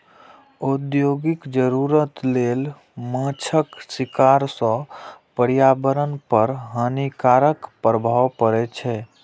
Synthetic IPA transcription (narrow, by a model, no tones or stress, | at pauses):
od̪joɡikd͡ʒəɾuɾət̪lel | mãt͡ʃʰəksikaɾsə̃pəɾjabəɾənpəɾɦənikaɾəkpɾəbʱawpəɾɛt͡ʃʰɛ